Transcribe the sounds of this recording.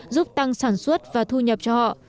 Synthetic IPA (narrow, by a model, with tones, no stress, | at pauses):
zu˦˥p̚t̪a˧ŋsaː˧˩nswə˦˥t̚vaː˨˩t̪ʰu˧ɲə˨˩p̚t͡ɕɔ˧hɔ̰˧˨ʔ